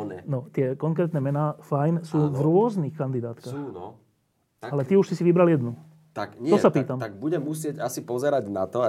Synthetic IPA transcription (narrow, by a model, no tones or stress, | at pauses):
ɛnɔt̪ɪɛkɔŋkɾɛːt̪nɛmɛnaːfajnsuːvɾʊɔznixkand̪id̪aːt̪kaːxnɔ | alɛt̪iuʃsisiʋibɾaljɛd̪nu | t̪ak̪ɔsapiːt̪amt̪aɡ̚buɟɛmːusɪɛɟasipɔzɛɾaɟna̰t̪ɔ